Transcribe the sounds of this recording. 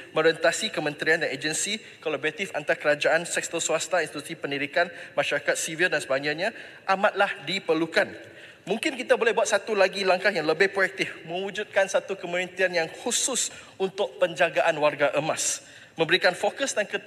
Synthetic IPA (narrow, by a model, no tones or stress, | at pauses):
mə̃ɾɛnt̪asikəmə̃nt̪ɾiandaned͡ʒənsi | kolabɔɾat̪ifant̪aɾakəɾad͡ʒaʔansɛk̚st̪əswast̪ainst̪it̪usipəndiɾikanmãʃaɾakat̪̚sivildansəbaɲaʔɲã | ʔamat̪̚lahdipərlukan | mũŋkɪnkit̪abolɛhbuat̪̚sat̪ulaɡilaŋkahjaŋləbɪhpɾoɛk̚t̪ɪfmə̃wud͡ʒut̪̚kansat̪ukəməɾənt̪ianjaŋhusʊs | unt̪ʊʔ̚pəɲd͡ʒaɡaʔanwarɡaʔəmas | mə̃mbəɾikanfokəsdankə